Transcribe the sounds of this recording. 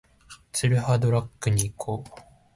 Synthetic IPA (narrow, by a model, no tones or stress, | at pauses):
t͡sɨɾɯ̟had̪o̞ɾakːɯ̟ɲ̟iːkʰoː